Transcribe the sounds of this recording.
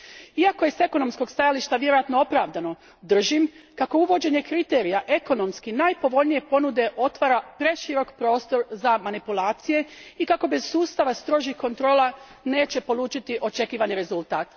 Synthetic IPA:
iako̞je̞se̞ko̞no̞msko̞ɡst̪ajaliʃt̪aʋje̞ɾo̞jat̪noo̞pɾaːʋd̪ano̞ | d̪r̩ʒimkako̞uʋo̞d͡ʑe̞ɲekɾit̪e̞ːɾijaʔe̞ko̞no̞mskinajpo̞ʋo̞ʎnije̞po̞nud̪e̞ʔo̞t̪ʋaɾapɾe̞ʃiɾo̞kpɾo̞ːst̪o̞ɾzamanipulˠaːt̪sije̞ikako̞be̞z̥suːst̪aʋast̪ɾo̞ːʒihko̞nt̪ɾo̞ːla | ne̞ːt͡ɕe̞po̞lˠuːt͡ʃit̪iʔo̞t͡ʃe̞kiːʋaniɾe̞zulˠt̪aːt̪

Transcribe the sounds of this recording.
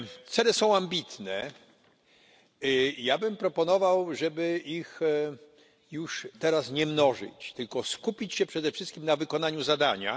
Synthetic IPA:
t̪sɛlɛsɔ̃w̃ambʲit̪nɛ | jabɘmpɾɔpɔnɔvawʐɛbɘix | juʂt̪ɛɾasɲɛmnɔʐɘ̰t͡ɕt̪ɘlkɔskupʲit͡ɕɕɛpʂɛd̪ɛfʂɘst̪kʲimnavɘkɔnaɲuzad̪aɲa̰

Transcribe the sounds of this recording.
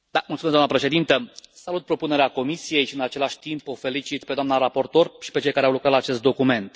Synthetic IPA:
d̪amult̪sumezd̪anəpɾe̞ʃe̞d̪int̪əsalut̪̚pɾo̞pune̞ɾeako̞misije̞jʃiɨnat͡ʃe̞laʃʲt̪impofe̞lit͡ʃit̪pe̞d̪oamnaɾapo̞rt̪o̞rʃi̥pe̞t͡ʃe̞jkaɾeawlukɾat̪laːt͡ʃe̞st̪d̪o̞kume̞nt̪

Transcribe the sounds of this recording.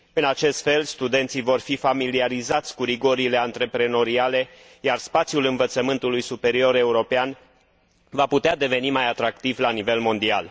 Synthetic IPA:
ɨnat͡ʃe̞st̪fe̞lst̪ud̪e̞nt̪sivo̞rfifamiliaɾizat̪sʲkuɾiɡo̞ɾile̞ant̪ɾe̞pɾe̞no̞ɾiale̞ | jarspat̪sjulɨnvət̪səmɨnt̪ulujsupe̞ɾio̞ɾe̞uɾo̞pean | vaput̪ead̪e̞ve̞nimajat̪ɾakt̪ivlanive̞lmo̞nd̪ial

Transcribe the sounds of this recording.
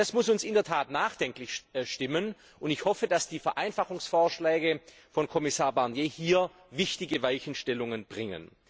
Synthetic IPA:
d̥asmʊsʊnsɪndɛɐtʰaːtnaːχd̥ɛŋklɪçʃtɪmən | ʔʊntɪçhɔfədasd̥iːfɛɐʔaɪnfaχʊŋsfoːɐʃlɛːɡə | fɔnkʰɔmɪsaːɐbaɐnjeːhiːɐ | vɪçtɪɡəvaɪçn̩ʃtɛlʊŋənbʁɪŋə̰n

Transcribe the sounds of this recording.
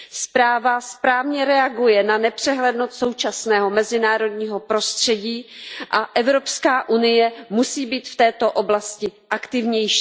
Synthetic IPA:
spɾaːvaspɾaːvɲɛɾɛaɡujɛnanɛpr̝̥ɛɦlɛdnot̪sowt͡ʃasnɛːɦo̞mɛzɪnaːɾo̞dɲiːɦo̞pɾo̞st̪r̝̥ɛɟiːʔaʔɛvɾo̞pskaːʔunɪjɛmusiːbiːt̪ft̪ɛːt̪o̞ʔo̞blascɪʔakt̪ɪvɲɛjʃiː

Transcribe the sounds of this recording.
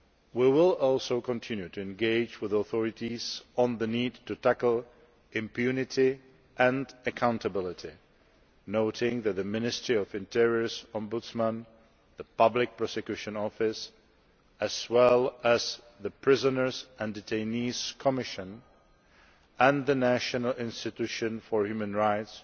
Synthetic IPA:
wiwɪlˠɔlˠsoʊkʰə̃ntʰɪ̃njʉtʰɨɨ̃nɡeɪd͡ʒwɪðəθɔɹɨɾiz̥ə̃nðɨnid̚tɨtʰækl̩ˠ | ɪ̃mpʰjʉnɪti | ʔɨ̃ndɨkʰãʊ̃ntʰəbɪlˠɪti | noʊɾɪ̃ŋðɨt̪̚ðɨmɪ̃nɪstɹ̥iʌvɨ̃ntʰɛɹiə˞zɔ̃mbʊtsmə̃n | ðəpʌblɪk̚pɹ̥ɔsɛkjʉʃɨ̃nɔfɪs | ɨz̥wɛlˠəz̥ | ðɨpʰɹ̥ɪzənə˞zæ̃ndətʰẽɪniz̥kʰəmɪʃɨ̃n | ʔə̃nðɨnæʃɨnəl̩ˠɪ̃nstɨtʉʃɨ̃nfə˞hjʉmə̃nɹaɪts

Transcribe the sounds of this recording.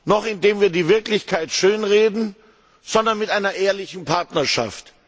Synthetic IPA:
nɔχɪndeːmviːɐdiːvɪɐklɪçkʰaɪtʃøːnʁeːdn̩ | z̥ɔndɐnmɪtʔaɪnɐʔeːɐlɪçn̩pʰaɐtnɐɐʃa̰ft

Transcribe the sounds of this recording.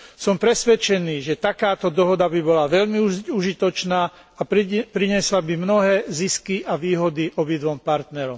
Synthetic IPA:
sɔmpɾɛsʋɛt͡ʃɛniːʒɛt̪akaːt̪ɔd̪ɔɦɔd̪abibɔlaʋɛʎmiuʒit̪ɔt͡ʃnaː | apɾiɲɪɛslabimnɔɦɛːziskiʔaʋiːɦɔd̪iʔɔbid̪ʋɔmpaɾt̪nɛɾɔm

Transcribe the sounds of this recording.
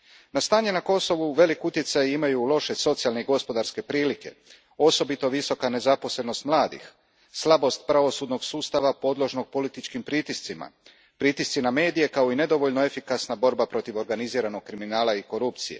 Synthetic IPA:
nast̪aːɲenako̞so̞ʋuʋe̞likut̪je̞t̪sajimajulˠo̞ʃe̞so̞t̪sijalne̞iɡo̞spo̞d̪aɾske̞pɾiːlike̞̰ | o̞so̞bit̪o̞ʋiso̞kane̞zapo̞sle̞no̞st̪mlˠaːd̪ḭx | slˠabo̞st̪̚pɾaʋo̞suːd̪no̞ɡsuːst̪aʋapo̞d̪lˠo̞ʒno̞ɡ̚po̞lit̪it͡ʃkimpɾit̪ist̪sima̰ | pɾiːt̪ist̪siname̞ːd̪ije̞kao̞ine̞d̪o̞ʋo̞ʎnoefikasnabo̞ɾbapɾo̞t̪iʋo̞ɾɡaniziːɾano̞ɡ̥̚kɾiminaːlaiko̞ɾup̚t̪sijḛ

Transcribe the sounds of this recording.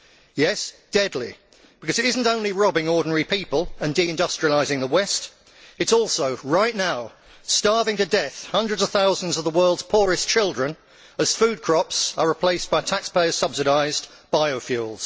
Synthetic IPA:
jɛsd̥ɛdˡlḭ | b̥ɪkʰʌzɨɾɪzn̩tõʊ̃nliɹɑbɪ̃ŋɔːɹdⁿn̩ɛɹipʰipəlˠə̃ndiɨ̃ndʌstɹ̥iəlaɪzɪ̃ŋðəwɛst | ɨtsɔˑlˠsoʊɹaɪʔⁿnaʊ | stɑɹvɪ̃ŋtɨdɛθhʌ̃ndɹədzʌv̥θaʊzə̃n̩zʌvðəwɜ˞lˠdz̥pʰʊɹɨst͡ʃʰɪlˠdɹə̃n | əz̥fʉːd̚kʰɹ̥ɑpsəɹɪpʰl̥eɪsb̥aɪtʰækspeɪəz̥sʌb̥sɨɾaɪz | b̥aɪoʊfjʉːlˠz̥

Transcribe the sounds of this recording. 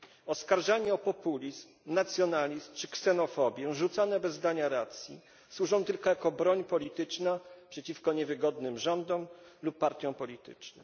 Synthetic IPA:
ɔskaɾʐaɲɛɔpɔpulʲizmnat̪sʲjɔnalʲizmt͡ʂɘksɛnɔfɔbʲjɛʐut̪sanɛbɛzːd̪aɲaɾat̪sʲjḭ | swuʐɔ̃w̃t̪ɘlkɔjakɔbɾɔɲpɔlʲit̪ɘt͡ʂnapʂɛt͡ɕifkɔɲɛvɘɡɔd̪nɘmʐɔnd̪ɔmlupːaɾt̪ʲjɔ̃w̃pɔlʲit̪ɘ̰t͡ʂnɛ

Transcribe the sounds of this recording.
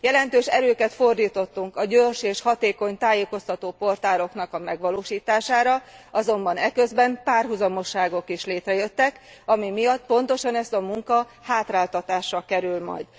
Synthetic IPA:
jɛlɛnt̪øːʃɛɾøːkɛt̪fo̞rd̪iːt̪o̞t̪ːuŋkɒɟøːrʃeːʃhɒt̪eːko̞ɲt̪aːjeːko̞st̪ɒt̪oːpo̞rt̪aːɾo̞knɒkɒmɛɡʋɒloːʃiːt̪aːʃaːɾɒɒzo̞mbɒnɛkøzbɛmpaːrɦuzɒmo̞ʃːaːɡo̞kiʃleːt̪rɛjø̞t̪ːɛk | ɒmimijɒt̪̚po̞nt̪o̞ʃɒnɛst̪ɒmuŋkɒ | haːt̪raːlt̪ɒt̪aːʃːɒkɛɾylmɒ̰jd̪

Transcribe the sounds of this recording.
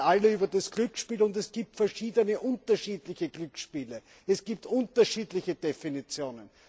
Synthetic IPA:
ʔaləyːbɐdasɡ̥lʏkʃpiːlʊndɛsɡ̥iːp̚tfɛɐʃiːdənəʔʊntɐʃiːdlɪçəɡ̥lʏkʃpiːlə | ɛsɡ̥iːp̚tʔʊntɐʃiːdlɪçəd̥efinit͡sjoːnən

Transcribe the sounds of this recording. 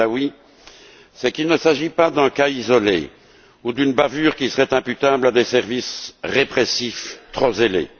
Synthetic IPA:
awi | sɛkilnəsaʒipad̪ɛ̃kaizɔlḛ | ud̪ynbavyːʁkʲisəʁɛt̪ɛ̃pyt̪ablad̪esɛʁvisʁepχesift̪χozelḛ

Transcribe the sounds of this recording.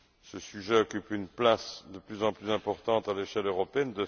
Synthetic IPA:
səsyʒɛɔkʲypynplasd̪əplyzɑ̃plyzɛ̃pɔʁt̪ɑ̃t̪aleʃɛløʁɔpeɛnd̪ə

